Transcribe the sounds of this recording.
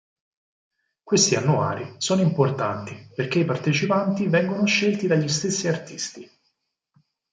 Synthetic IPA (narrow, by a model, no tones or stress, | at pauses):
kwest̪ianːua̰ːɾisɔːnoimport̪ant̪iperk̟eipart̪et͡ʃipant̪ivɛŋɡonoʃːelt̪id̪aʎːist̪esːiart̪ist̪i